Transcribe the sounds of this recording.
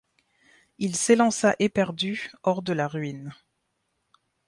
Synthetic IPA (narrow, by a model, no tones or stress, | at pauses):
ilselɑ̃saʔepɛʁd̪yɔʁd̪əlaʁɥin